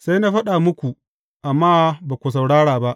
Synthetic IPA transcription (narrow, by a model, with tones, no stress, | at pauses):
sa˦jnaː˦ɸɐ˦ɗa˨mʊ˦kʷu˨ | ʔa˨mːaː˦baː˨kʷu˨s̬a˨wɽaː˦ɽaː˨ba˦ʔ